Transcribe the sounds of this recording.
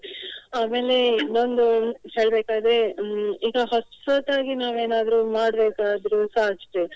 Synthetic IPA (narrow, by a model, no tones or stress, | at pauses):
aːme̞ːle̞nond̪uhe̞ːɭbeːkaːd̪ɾeiːɡɐɦɐsɐt̪ːaːɡinaːʋeːnaːd̪ɾuːmaːɽbeːkaːd̪ɾusaːt͡ʃt̪e